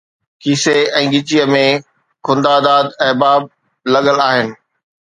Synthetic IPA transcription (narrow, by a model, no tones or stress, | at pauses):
kʰiːseɛ̃ːɡɪt͡ɕijəmẽ | kʰʊ̃nd̪aːd̪aːd̪ɛɦbaːb̚ | lɐɠəlaːɦɪnɪ̆